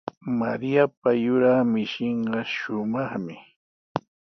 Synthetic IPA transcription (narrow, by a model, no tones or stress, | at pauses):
maɾijapajʊɾaːmɪʃɪɴɢɑʃʊmɑχmɪ